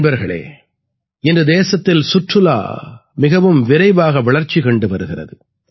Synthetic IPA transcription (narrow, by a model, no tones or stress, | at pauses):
bɐɾɣɐɭḛː | ɪndrɯd̪eːsɐt̪ːɪlsʊʈrɯla̰ːmɪɣɐʋɯmʋɪɾɐɪʋaːɣɐʋɐɭɐɾt͡ʃːikɐɳɖɯʋɐɾɯɣɪrɐ̰ðɯ